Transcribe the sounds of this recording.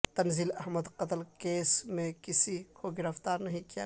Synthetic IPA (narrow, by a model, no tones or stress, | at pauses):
t̪ɐnziːlɐɦməd̪qɐt̪lkeːsmẽkɪsikoɡɪɾəft̪aːɾnɐɦĩkija̰